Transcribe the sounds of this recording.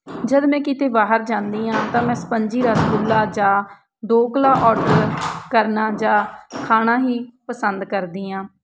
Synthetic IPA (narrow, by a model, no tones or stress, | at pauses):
d͡ʒəd̪mɛ̃ːkɪt̪eːbaːɦəɾd͡ʒãːnd̪iːãːt̪ãːmɛ̃ːsə̥pəɲd͡ʒiːɾət̪ɡʊlːaːd͡ʒãː | d̪oːkəlaːʔɔːɖəɾkəɾnaːd͡ʒãːkʰaːnãːɦiːpəsənd̪kəɾd̪iːãː